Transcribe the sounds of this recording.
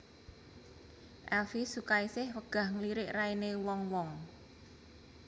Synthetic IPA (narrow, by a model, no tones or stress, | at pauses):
ʔɛlfisukaisɪhwəɡ̥a̤hŋliɾɪʔrainewɔŋwɔŋ